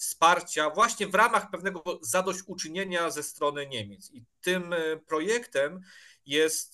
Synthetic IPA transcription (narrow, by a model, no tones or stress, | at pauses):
fspaɾt͡ɕavwaɕɲɛvɾamaxpɛvn̪ɛɡɔzad̪ɔɕt͡ɕut͡ʂɘɲeɲazɛst̪ɾɔnɘɲɛmʲjɛt̪sit̪ɘmpɾɔjɛkt̪ɛm | jɛst̪